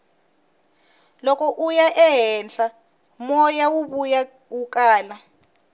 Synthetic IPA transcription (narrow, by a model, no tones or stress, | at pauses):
lɔkɔʔujaʔɛɦɛnɬa | mɔjawuβuja | ukʼaːla